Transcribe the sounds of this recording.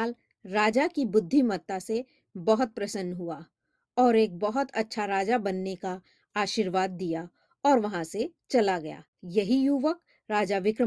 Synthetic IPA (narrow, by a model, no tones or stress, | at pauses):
l | ɾaːd͡ʒakibʊd̪ʱːimɐt̪ːase | bɐɦʊt̪̚pɾɐsənːɦua | ɔːɾeːk̚bɐɦʊt̪ɐtːʃʰaɾaːd͡ʒabɐnːeka | aːʃiːɾʋaːd̪̚ːija | ɔːɾʋɐɦãset͡ʃɐlaɡɐja̰ː | jɐɦijuːʋək | ɾaːd͡ʒaʋɪkɾə